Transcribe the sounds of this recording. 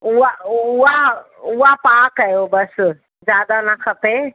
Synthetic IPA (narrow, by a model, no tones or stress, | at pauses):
uaua | uapaːkajobəs | d͡ʒjaːd̪anakʰəpe